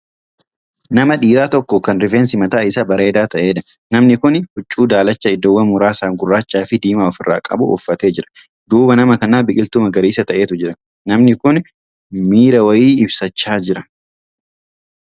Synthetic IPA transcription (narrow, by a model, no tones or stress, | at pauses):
nɐmɐᶑiːɾaːt̪ɔkːɔkɐnɾɪfeːnsɪmɐt̪aːɪsabɐɾe̞ːd̪aːt̪ɐʔe̞ːᶑɐnɐmnɪkʊnhʊt͡ʃʼːuːd̪aːlɐt͡ʃːɐɪd̪ɔwːɐmʊɾaːsaːŋɡʊrːaːt͡ʃːaːfɪd̪iːmaːɔfɪrːa̰ːkʼɐ̰bʊʔʊ̰fːɐt̪e̞ːd͡ʒɪɾɐ̥ | d̪uːbɐnɐmɐkɐnaːbɪkʼɪlt̪ʊmɐɡɐɾiːsɐt̪ɐʔe̞ːt̪ʊd͡ʒɪɾɐ | nɐmnɪkʊn | miːɾɐwɐjiːɪbsɐt͡ʃːaːd͡ʒɪɾɐ